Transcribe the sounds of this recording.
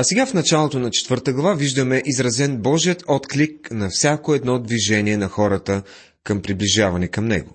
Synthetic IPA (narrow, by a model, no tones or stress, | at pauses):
ɐsɛɡafnɐt͡ʃalˠot̪onɐt͡ʃɛ̥t̪vɤɾt̪əɡlˠɐvaviʒd̪əmɛʔizɾɐzɛnbɔʒiət̪ɔt̪klik̚nɐfsʲakoɛd̪nɔd̪viʒɛniɛnɐxɔɾət̪ə | kɐmpɾibliʒavɐnikɐmnɛ̰ɡʊ̰